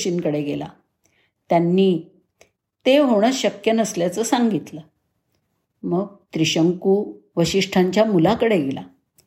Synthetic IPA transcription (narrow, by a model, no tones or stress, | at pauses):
ɕinkəɽeɡela̰ | t̪janːiː | t̪eɦoɽ̃əɕəkjənəsljat͡səːsaŋɡit̪lə | məɡ̚t̪ɾiɕəŋkuʋəɕiʂʈʰaɲt͡ɕjamulakəɽeɡela̰